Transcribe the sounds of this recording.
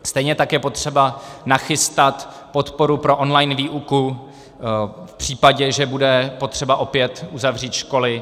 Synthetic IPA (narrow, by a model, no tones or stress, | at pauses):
st̪ɛjɲɛt̪akjɛpo̞t̪r̝̥ɛbanaxɪst̪at̪ | po̞t̪po̞ɾupɾo̞ʔonlajnviːʔuku | fpr̝̥iːpaɟɛʒɛbudɛpo̞t̪r̝̥ɛbaʔo̞pjɛt̪ʔuzavr̝iːt̪ʃko̞lɪ